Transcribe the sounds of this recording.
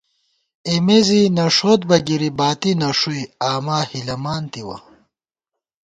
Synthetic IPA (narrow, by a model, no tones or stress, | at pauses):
emezinɐʂoːt̪̚bɐɡiɾibaːt̪inɐʂuiaːmaːhilɐmaːnt̪iwɐ̰